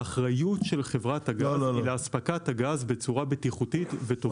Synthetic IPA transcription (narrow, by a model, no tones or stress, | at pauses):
aχʁajutʃe̞lχe̞vʁathaɡazleaspakathaɡazbe̞t͡suʁabetiχutitveto